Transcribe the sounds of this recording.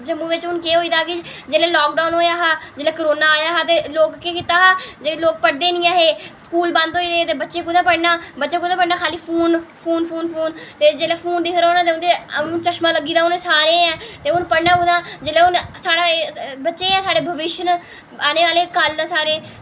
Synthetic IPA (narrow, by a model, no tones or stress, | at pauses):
d͡ʒəmːũːʋɪt͡ʃʊnkeːɦoːiːd̪aːkɪd͡ʒeːleːlɔːk̚ɖaːnɦoːjaːɦaːd͡ʒeːleːkəɾoːnaːjaːɦaːt̪eːloːkkekɪt̪aːɦaːd͡ʒeːloːk̚pəɽd̪eːnĩːaːɦeːskuːlbãnd̪ɦoːiːd̪eːt̪eːbətːʃeːkʊd̪ãːpəɽnaːbətːʃeːkʊd̪ãːpəɽnaːkʰaːliːpʰuːnpʰuːnpʰuːnpʰuːnt̪eːd͡ʒeːleːpʰuːnd̪ɪkʰɾoːnãːt̪eːʊnd̪eːt͡ʃəʃmãːləɡiːd̪aːʊnẽːsaːɾẽːɛ̃ːt̪eːʊnpəɽnaːkʊd̪ãːd͡ʒeːleːʊnsaːɽaːbətːʃeːɛ̃ːsaːɽeːbʱəʋɪʃən | aːneːʋaːleːkəld̪aːsaːɾeː